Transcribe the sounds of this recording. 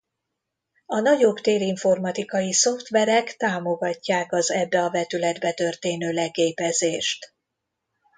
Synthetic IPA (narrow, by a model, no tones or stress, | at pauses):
ɒnɒɟo̞bt̪eːɾiɱfo̞rmɒt̪ikɒjiso̞ft̪ʋɛɾɛkt̪aːmo̞ɡɒcːaːkɒzɛbːɛɒvɛt̪ylɛd̪bɛt̪ø̞rt̪eːnøːlɛkeːpɛzeːʃt̪